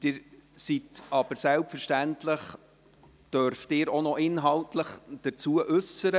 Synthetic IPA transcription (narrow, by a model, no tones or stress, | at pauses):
d̥ɪːɾsitɑb̥əɾsɛlpfəɾʃtæntləχ | d̥œɾftɪːɾonɔʔɪnɦɑltləχd̥ət͡suəʔʉsəɾə